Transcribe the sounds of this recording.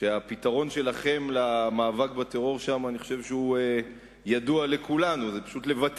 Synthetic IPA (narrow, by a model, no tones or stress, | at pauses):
ʃeapit̪aʁo̞nʃe̞laχe̞mlamaːvak̚bat̪eʁo̞ʁʃamaːniχo̞ʃe̞vʃeue | jaduale̞kulanuzepḁʃutle̞vat̪